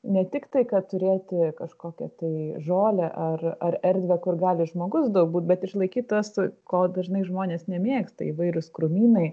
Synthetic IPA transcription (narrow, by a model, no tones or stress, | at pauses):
nʲɛt̪ʲɪkt̪ɐɪkɐtt̪ʊɾʲeːt̪ʲɪkɐʃkoːkʲɛ̰t̪ɐɪʒoːlʲɛʔɐrɐrɛɾʲd̪ʲʋʲɛkʊrɡɑːlʲɪʒmoːɡʊsd̪ɐʊk̚buːt̪̚bʲɛt̪ɪʃlˠɐɪkʲiːt̪t̪ɐskoːd̪ɐʒnɐɪʒmoːnʲeːsnʲɛmʲeːkst̪ɐ̰ɪiʋɐɪɾʲʊskɾʊmʲiːnɐɪ